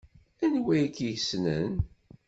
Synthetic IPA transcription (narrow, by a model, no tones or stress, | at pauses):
ænwæjkijəsnə̰n